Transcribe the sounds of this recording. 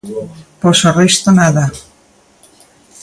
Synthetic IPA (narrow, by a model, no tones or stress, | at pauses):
posorest̪onaða